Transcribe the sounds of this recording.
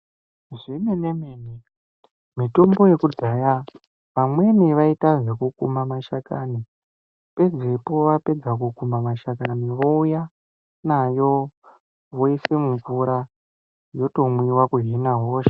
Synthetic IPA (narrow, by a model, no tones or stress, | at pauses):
ʐimenemeːni | mito̞mbo̞je̞kud͡zaja | ʋamwe̞niʋaitaʐekukumamaʃakani | pe̞d͡zepo̞ʋape̞d͡zakukumamaʃakaniʋo̞uja | najo̞ | ʋo̞isemuɱvuɾa | jo̞to̞mwiwakuɦenaɦoːʃe̥